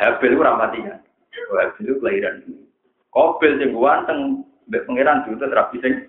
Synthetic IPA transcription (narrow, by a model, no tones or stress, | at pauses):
hɛb̥ɛlkuɾampat̪iŋan | ɔɦɛb̥ɛlkuplaiɾanini | kob̥ɪlsɪŋɡuwant̪əŋ | mbɛʔpəŋeɾand̥uɾut̪ut̪əɾapisɪŋ